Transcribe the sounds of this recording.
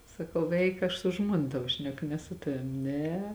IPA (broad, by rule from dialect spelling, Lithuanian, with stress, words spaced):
sɐˈkɐʊ ˈɛɪk ˈɐʃ sʊ ˈʒmuɔnɐ ˈtɑːʋoː ˈʃʲnʲæːkʊ nʲɛ sʊ ˈtɑːʋʲɪm ˈnʲɛ